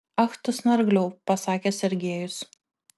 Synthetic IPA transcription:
ɐxt̪ʊsnɐɾɡlʲɛʊpɐsɑːkʲeːsʲɛɾʲɡʲeːjʊs

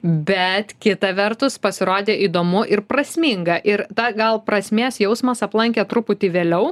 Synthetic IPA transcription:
bʲɛt̪kʲɪt̪ɐʋʲɛrt̪ʊspɐsʲɪɾoːd̪ʲeːʔiːd̪oːmʊʔɪɾpɾɐsʲmʲɪŋɡɐʔɪɾt̪ɐɡɐlˠpɾɐsʲmʲeːsjɛʊsmɐsɐplˠɐŋʲkʲet̪ɾʊpʊt̪ʲɪʋʲeːlʲɛʊ

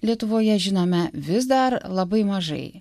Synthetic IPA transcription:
lʲiɛt̪ʊʋoːjɛʒʲɪnoːmʲɛʋʲɪsd̪ɐɾlˠɐbɐɪmɐʒɐ̰ɪ

